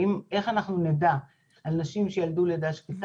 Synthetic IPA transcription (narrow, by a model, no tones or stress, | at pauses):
imʔe̞χanaχnuneda | alnaʃimʃejalduled̪aʃkit